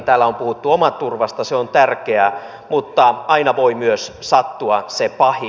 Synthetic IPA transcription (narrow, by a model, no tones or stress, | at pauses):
t̪æːlːæompuhut̪ːuomɑt̪ːurʋɑst̪ɑseont̪ærkeæ | mut̪ːɑɑinɑʋo̞imyøssɑt̪ːuɑsepɑhi